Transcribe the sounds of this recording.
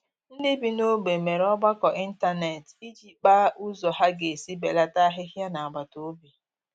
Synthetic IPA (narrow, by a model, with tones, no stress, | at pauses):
n̩˦dɪ˦bi˦no˦ɡ͡be˨me˨ɾɔ˦ɡ͡ba˦kɔ˨ʔi˦n̩˦ta˦ne˨ti˦d͡ʒi˦k͡pa˦ʔu˦zɔ˨ɦa˦ɡe˨si˦be˨la˦ta˦ɦɪ˦ɦja˦na˨a˨ɡ͡ba˨to˨˦bi˨